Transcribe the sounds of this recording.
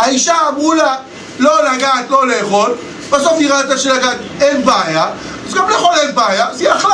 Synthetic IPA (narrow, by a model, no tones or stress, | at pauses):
aiʃaːmʁula | lolaɡaːt̪lo̞leːχo̞l | b̥asofiʁat̪aʃelaɡat̪enbaja | zɡamleːχo̞lenbaːjazɛjaχ